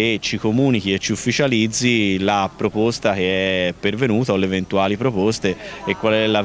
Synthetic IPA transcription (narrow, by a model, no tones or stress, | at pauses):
et͡ʃikomuːnikiet͡ʃːiufːit͡ʃalid̪zːilapɾopost̪ak̟eɛpːervenuːt̪aolːevent̪uaːlipɾopost̪eːkːwalɛlːa